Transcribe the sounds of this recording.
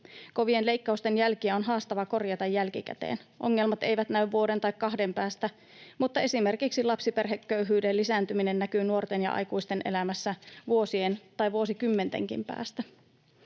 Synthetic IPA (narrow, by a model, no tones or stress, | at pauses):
koʋie̞nle̞ikːɑust̪enjælkiæo̞nɦɑːst̪ɑʋɑko̞rjɑt̪ɑjːælk̟ikæ̰t̪ḛːnʔo̞̰ŋːe̞lmɑt̪e̞jʋæt̪næyʋːuo̞de̞nt̪ɑjkkɑɦde̞mpæːst̪æ | mut̪ːɑe̞sime̞rkiksilɑpsipe̞rɦekːøyɦyːdelːisæːnt̪yminenːækyːnuo̞rt̪e̞njɑ̰ʔɑ̰jkuist̪e̞nʔe̞̰læmæsːæʋuo̞sie̞nt̪ɑjʋuo̞sikymːe̞nt̪ḛŋk̟ḭmpæ̰ːst̪æ